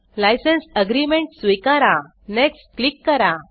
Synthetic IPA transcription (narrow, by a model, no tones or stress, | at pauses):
lajsənsəɡɾimẽɳʈsʋikaɾa | nɛksklikːəɾa